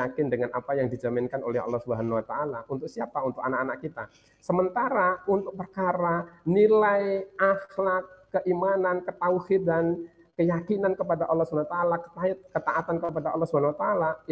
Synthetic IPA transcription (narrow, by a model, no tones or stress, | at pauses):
akɪndəŋanʔapajaŋdid͡ʒamɪnkano̰lɛɦɑ̰lːɔhsubəɦanuwat̪aʔalaʔunt̪ʊk̚siapaunt̪ʊkanakanakkːit̪a | səmənt̪aɾaunt̪ʊk̚pərkaɾanilajʔahlakːəʔimanankət̪auhidan | kəjakinankəpadaʔɑlːɔhsubat̪aːlakə̥t̪aɪt̪̚kət̪aʔat̪ankəp̬adaʔɑlːɔhsubanwat̪aːla